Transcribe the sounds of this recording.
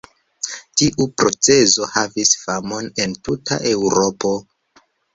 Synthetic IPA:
tiʔupɾo̞t͡se̞zo̞havisfamo̞ne̞ntutʰa̰ʔe̞wɾo̞po̞

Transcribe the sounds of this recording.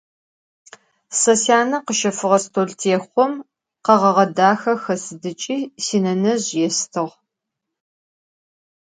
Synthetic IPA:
sɐsjaːnɐqəʃɐfɨʁɐstʰoːɮtʰeːχʷɔm | qɐʁɐʁɐdaːxɐxɐsɨdɨt͡ʃʼiːsiːnɐnɐʑjɛstʰɨʁ

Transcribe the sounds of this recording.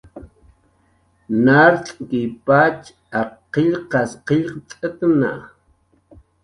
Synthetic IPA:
naɾt͡ɬʼkɪpat͡ʃ | aqɪʎqɑsqeʎqt͡sʼət̪na̰

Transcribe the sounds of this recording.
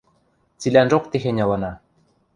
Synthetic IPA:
t͡silʲænʒoq̚t̪exenʲɑlɤ̆nɑ

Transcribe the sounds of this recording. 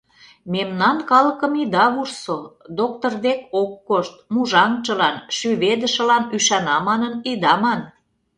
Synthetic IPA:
memnɑnkɑlə̆kəmid̪ɑβursod̪okt̪ord̪ekokːoʃt̪̚muʒɑŋt͡ʃə̆lɑnʃyβed̪ə̆ʃə̆lɑnyʃɑnɑmɑnənid̪ɑmɑn

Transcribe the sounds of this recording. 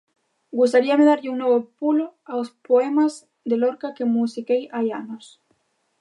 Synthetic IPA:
ɡus̬t̪aɾiameðaɾʎeuŋnweβopuloaospoemaz | d̪eloɾkakemusikejajanos

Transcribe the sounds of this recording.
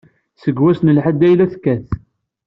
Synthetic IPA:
səɡwæsnəlħad̪æjlæθkːæθ

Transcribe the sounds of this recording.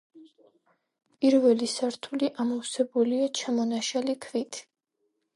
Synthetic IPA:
pʼiɾvɛlisaɾt̪ʰuliʔamɔwsɛbuliat͡ʃʰamɔnaʃalikʰvit̪ʰ

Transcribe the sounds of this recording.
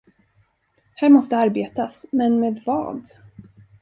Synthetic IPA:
hæːɾmɔst̪əaɾbeːt̪asmɛnmeːd̪vɑ̰ːd̪

